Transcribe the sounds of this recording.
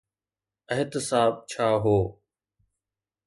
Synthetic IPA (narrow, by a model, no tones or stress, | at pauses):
əɦɪt̪ɪsaːb̚t͡ʃʰaːɦoː